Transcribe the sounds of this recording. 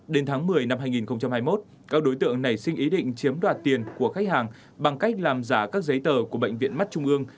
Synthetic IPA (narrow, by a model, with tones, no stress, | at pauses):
ɗe˨˦nt̪ʰaː˨˦ŋmɨ˨˩əjna˧mhɦaː˧jŋi˨˩nxə˧wŋ͡mt͡ɕa˧mhaː˧jmo˦˥t̚ | kaː˧˥ɗo˨˦jt̪ɨ̰˧˨əŋna˨˩jsï˧ŋ̟ʔi˨˦ɗḭ̈˧˨ŋ̟t͡ɕi˨˦əmɗwaː˨˩t̚t̪i˨˩ənku˧˩əxa˦˥jk̟̚haː˨˩ŋ | ɓa˨˩ŋka˦˥jk̟̚laː˨˩mzaː˧˩kaː˦˥k̚zə˨˦jt̪əː˨˩ku˧˩əɓə̰˧˨jŋ̟vḭ˧˨ənma˦˥t̚t͡ɕʊ˧ŋ͡mʔɨ˧əŋ